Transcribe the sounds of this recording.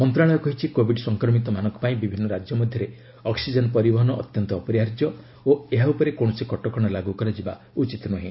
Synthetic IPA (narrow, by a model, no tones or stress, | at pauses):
mɔnt̪ɾaɭ̃ɔɔkɔɦit͡ʃʰikobʱiɖsɔŋkɾɔmit̪ɔmanɔŋkɔ̥paĩbibʱinːɔɾad͡ʒjɔmɔd̪ʱjɔɾe | ɔksid͡ʒɔnɔpɔɾibɔɦɔnɔʔɔ̰t̪jɔnt̪ɔːpɔɾjaɾd͡ʒjɔ | oeɦaupɔɾekoɽ̃ɔsikɔʈɔkɔɽ̃ɔlaɡukɔɾad͡ʒiba̰ | ut͡ʃit̪nɔɦĩ